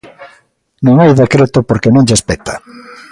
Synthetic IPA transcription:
nõŋajðekɾet̪opoɾkenõŋʎespet̪ʰḁ

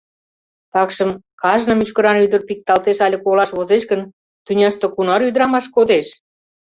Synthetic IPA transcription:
t̪ɑkʃə̆m | kɑʒnə̆myʃkə̆ɾɑnyd̪ə̆rpik̚t̪ɑlt̪eʃɑlʲə̆kolɑʃβozeʃɡən | t̪ynʲɑʃt̪ɤ̆kunɑɾyd̪əɾɑmɑʃkod̪eʃ

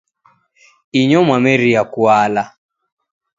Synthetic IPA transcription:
iɲɔmwamɛɾiakwala

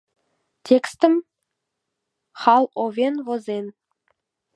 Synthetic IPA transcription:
tʲekst̪ə̆m | χɑlˠovʲenvŏzʲenʲ

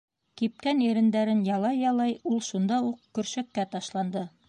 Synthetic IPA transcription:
kip̚kæniɾɘ̆nd̪æɾɘnjɑlˠɑjːɑlˠɑjulˠʃund̪ɑuqkɵ̆ɾʃækːæt̪ɑʃlˠɑnd̪ɤ

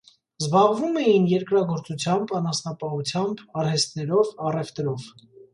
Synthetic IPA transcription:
zbɑʁvumɛjinjɛɾkɾɑɡɔɾt͡sut͡sʰjɑmbɑnɑsnɑpɑhut͡sʰjɑmbɑɾhɛst̪nɛɾɔvɑrɛft̪ɾɔv

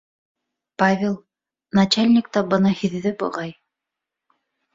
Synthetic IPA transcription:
pavʲelˠ | nɐt͡ɕalʲnʲɪk̚t̪ɑbɤ̆nɤhiðːɘbŏ̰ʁɑj

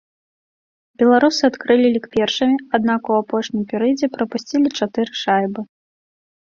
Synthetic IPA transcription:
bʲɛlˠaɾusɨat̪kɾɨlʲilʲikpʲɛrʂɐmʲiad̪̚nakuapɔʂnʲimpʲɛɾɨjd͡zʲɛpɾɐpusʲt͡sʲilʲit͡ʂat̪ɨɾɨʂajbɨ

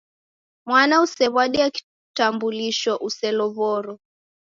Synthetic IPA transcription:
mwanausɛβwaɗiaki̥ | tambuliʃɔʔusɛlɔvɔɾɔ

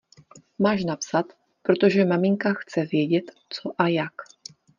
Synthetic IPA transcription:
maːʃnapsat̪ | pɾo̞t̪o̞ʒɛmamiŋkaxt͡sɛvjɛɟɛt̪ | t͡soʔajak

